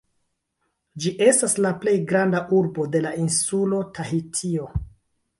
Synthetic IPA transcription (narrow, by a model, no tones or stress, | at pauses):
d͡ʒiʔe̞staslaple̞jɡɾandaʔuɾbo̞de̞lainsulo̞taɦitʰio̞